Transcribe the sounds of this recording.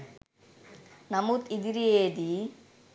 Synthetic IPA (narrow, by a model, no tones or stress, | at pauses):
nɐmut̪id̪iɾieːd̪i